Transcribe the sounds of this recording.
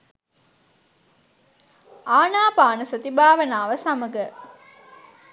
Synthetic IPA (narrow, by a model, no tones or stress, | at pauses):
aːnaːpaːnəsət̪ibaːʋənaːʋəsaməɡə